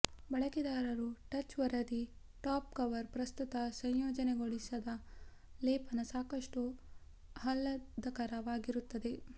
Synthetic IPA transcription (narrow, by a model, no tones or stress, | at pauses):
bɐɭɐkid̪aːɾɐɾuʈɐt͡ʃʋɐɾɐd̪i | ʈaːp̚kɐʋɐɾpɾɐst̪ut̪ɐsɐjjoːd͡ʒɐneɡoɭisɐd̪ɐ | leːpʰɐnɐsaːkɐʂʈu | hɐlːɐd̪ɐkɐɾɐʋaːɡiɾut̪ːɐd̪e